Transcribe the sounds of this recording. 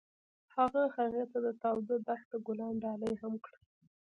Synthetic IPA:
haɣaxaɣet̪ad̪ət̪ɑwzad̪axt̪əɡʊlɑnɖɑləjhamkɽə

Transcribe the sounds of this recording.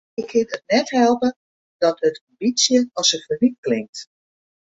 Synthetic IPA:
ɪkʰːɪnət̚nɛthɛlˠpə | d̥ɔtətʰɑmbit͡sjəɔsəfərit̚klɪŋk̚t

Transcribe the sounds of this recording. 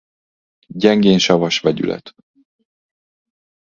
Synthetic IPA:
ɟɛŋɡeːnʃɒvɒʃʋɛɟy̰lʔɛ̰t̪

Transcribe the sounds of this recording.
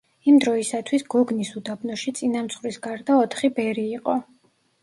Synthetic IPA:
imd̪ɾɔisat̪ʰwisɡɔɡnisud̪abnɔʃit̪sʼinamt̪sʰχɾisɡaɾd̪aɔt̪ʰχibɛɾiːqʼɔ

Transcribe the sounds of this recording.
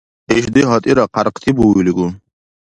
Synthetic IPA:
eʃd̪iɦɔt̪ʼiɾaqaɾqt̪ʰibuwiliɡu

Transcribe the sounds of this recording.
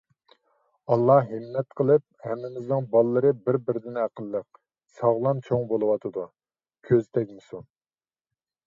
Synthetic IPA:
ɑlˠːɑɦɨmːɛt̪qʰəlˠɨp̚hɛmːɪmɪznɨŋbɑlˠːəɾɨbɪɾbɪɾɪd̪ɪnæqəlˠːəq̚ | sɑʁlˠɑmt͡ʃʰoŋbolˠɨwɑt̪ʰɨd̪u | kʲʰøzt̪ʰɛkʲmɨsun

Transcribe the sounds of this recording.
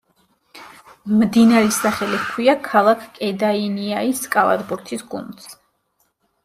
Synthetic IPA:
md̪inaɾɛsaχɛliskʰwiakʰalˠakʰkʼɛd̪ainiaiskʼala̰d̪buɾt̪ʰisɡṵnd̪s

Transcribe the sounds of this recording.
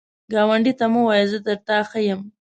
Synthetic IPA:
ɡɑwaɳɖit̪amuwɑjezəd̪əɾt̪aːxajəm

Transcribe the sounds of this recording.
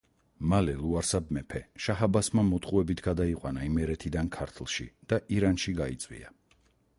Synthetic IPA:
malɛlˠuaɾsabmɛpʰɛʃaɦabasmamɔt̪ʰχʼuɛbit̪ʰɡad̪aiqʼwanaimɛɾɛt̪ʰid̪ankʰaɾt̪ʰlˠʃḭd̪̥aʔiɾanʃiɡait̪sʼwḭa̰

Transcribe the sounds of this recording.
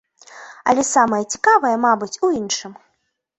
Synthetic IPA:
ɐ̰lʲɛsamɐjɐt͡sʲi̥kavɐjɐmabɨt͡sʲuinʂɨm

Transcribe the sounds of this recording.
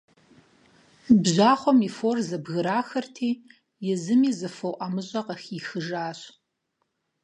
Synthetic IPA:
bʑaːχʷɔmiːforzɐbɣɨɾaːxɐrtʰiː | jɪzɨmiːzɨfɐwʔɐmɨɕʼɐqɐxiːxɨʒaːɕ

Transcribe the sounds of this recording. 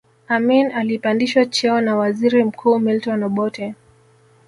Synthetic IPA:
aminalipandiʃwat͡ʃɛɔnawaziɾim̩kʰuːmiltɔnɔɓɔtɛ

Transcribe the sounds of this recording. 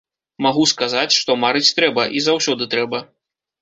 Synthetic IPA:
maɣuskazat͡sʲʂt̪ɔmaɾɨt͡sʲt̪ɾɛbɐʔizawsʲɔd̪ɨt̪ɾɛbɐ

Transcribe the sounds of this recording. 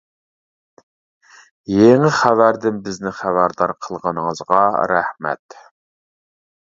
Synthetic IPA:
jeŋɪχævæɾd̪ɪmbɪznɪχævæɾd̪ɑɾqʰəlˠʁənəŋəzʁɑ̰ɾæhmɛ̰t̪

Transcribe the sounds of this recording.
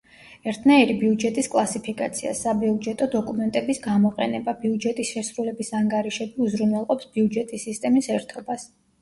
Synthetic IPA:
ɛɾt̪ʰnaiɾibiud͡ʒɛt̪ʼiskʼlˠasipʰikʼat̪sʰia̰sabiud͡ʒɛt̪ʼɔd̪ɔkʼumɛnt̪ʼɛbisɡamɔqʼɛ̰nɛbabiud͡ʒɛt̪ʼisʃɛsɾulɛbisaŋɡaɾiʃɛbiuzɾunwɛlˠqʼɔpsb̥iud͡ʒɛt̪ʼisːist̪ʼɛmisɛɾt̪ʰɔbas

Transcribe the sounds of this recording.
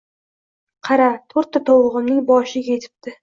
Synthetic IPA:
qʰɑɾat̪ʰoɾt̪ʰːat̪ʰolˠʁɨmnɪŋbɒʃɪɡʲet̪ʰɪ̥p̚t̪ɪ

